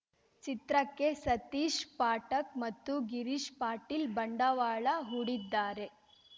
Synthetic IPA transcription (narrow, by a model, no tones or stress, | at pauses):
t͡ʃit̪ɾɐkːe̞sɐt̪iːʂpaːʈɐkmɐt̪ːuɡiɾiʂpaːɾʈilbɐɳɖɐʋaːɭɐɦuɽid̪ːaːɾe̞